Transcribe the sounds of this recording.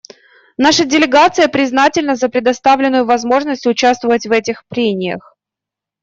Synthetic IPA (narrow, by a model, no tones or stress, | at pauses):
naʂədʲɪlʲɪɡat̪sɨjəpɾʲɪznatʲɪlʲnəzəpɾʲɪd̪ɐst̪avlʲɪnːʊjʊvɐzmo̞ʐnəsʲtʲʊt͡ɕast̪vəvətʲvɛtʲɪxpɾʲemʲɪjə̰x